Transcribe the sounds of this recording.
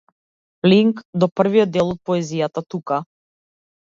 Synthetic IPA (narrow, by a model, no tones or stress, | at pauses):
pliŋkd̪ɔpr̩vijɔd̪ːɛlˠɔt̪̚pɔɛzijat̪at̪uka